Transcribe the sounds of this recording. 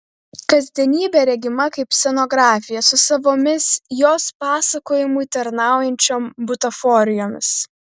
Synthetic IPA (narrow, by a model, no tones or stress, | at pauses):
kɐzʲd̪ʲiɛnʲiːbʲeːɾʲɛɡʲɪmɐkɐɪpsʲɛnoːɡɾɑːfʲɪjɛsʊsɐʋoːmʲɪsjoːspɑːsɐkoːjɪmuit̪ɐɾnɑˑʊjɛnʲt͡ʃʲoːmbʊt̪ɐfɔɾʲɪjoːmʲɪs